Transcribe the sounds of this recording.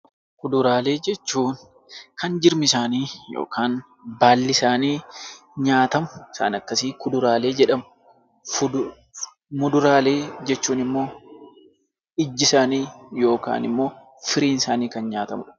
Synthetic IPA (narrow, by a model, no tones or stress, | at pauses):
kʊd̪ʊɾaːle̞ːd͡ʒɛt͡ʃːuːn | kɐnd͡ʒɪɾmɪsaːniːjo̰ːkaːn | baːlːɪsaːniː | ɲaːt̪ɐmʊɪsa̰ːnɐkːɐsiːkʊd̪ʊɾaːle̞ːd͡ʒɛᶑɐmʊ | f | mʊd̪ʊɾaːle̞ːd͡ʒɛt͡ʃːuːnɪmːo̞ː | ɪd͡ʒːɪsaːniːjo̞ːka̰ːnɪ̰mːo̞ː | fɪɾiːnsaːniːkɐnɲaːt̪ɐmʊᶑɐ̥